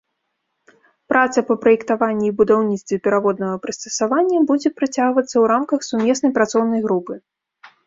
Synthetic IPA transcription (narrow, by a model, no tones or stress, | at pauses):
pɾʔat̪sɐpɐpɾɐjɛkt̪avanʲːibud̪awnʲit̪st̪vʲɛpʲɛɾavɔd̪nɐɣɐpɾɨst̪ɐsavanʲːɐbud͡zʲɛpɾat͡sʲaɣvɐt̪sːɐwɾamkɐxsumʲɛsnɐjpɾat̪sɔwnɐjɣɾupɨ